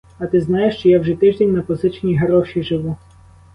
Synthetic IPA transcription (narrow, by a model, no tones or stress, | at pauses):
ɐt̪ɪznajeʃt͡ʃɔjawʒɛt̪ɪʒd̪ʲenʲnɐpɔzɪt͡ʃnʲiɦeɾɔʃiʒɪʋu